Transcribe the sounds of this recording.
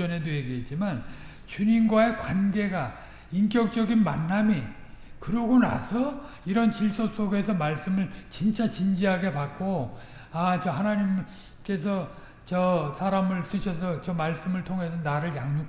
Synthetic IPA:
ʌne̞dojeɡiɦet̚t͡ɕ͈iman | t͡ɕuɲinɡwae̞kwanɡe̞ɡa | ink͈jʌk̚t͡ɕ͈ʌɡinmanːamikɯɾʌɡona̰sʰʌ | iɾʌnt͡ɕiɭs͈os͈ʰoɡe̞sʰʌmaɭs͈ɯmɯɭt͡ɕint͡ɕʰat͡ɕind͡ʑiɦaɡe̞pak̚k͈o | at͡ɕʌɦanaɲim | k͈e̞s̬ʰʌ | t͡ɕʌsʰaɾamɯɭs͈ɯɕʰʌsʰʌt͡ɕʌmaɭs͈ɯmɯɭtʰoŋɦe̞sʰʌnaɾɯɭjaŋɲu

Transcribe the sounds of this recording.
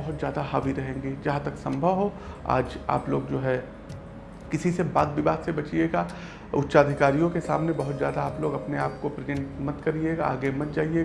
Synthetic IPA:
ɐɦʊt̪zjaːd̪aɦaːʋiɾɐɦẽːŋɡeːd͡ʒɐɦãt̪ɐksɐ̃mbʱəʋɦoa̰ːd͡ʒa̰ːploːɡd͡ʒoːɦɛ | kɪsisebaːd̪̚bʱibaːd̪sebɐt͡ʃieːɡaː | ʊtːʃaːd̪ʱɪkaːɾijõkesa̰ːmnebɐɦʊt̪zjaːd̪aːploːɡɐpneaːp̚kopɾezẽɳʈmɐt̪kɐɾieːɡaa̰ːɡemɐt̪̚d͡ʒaːɦie

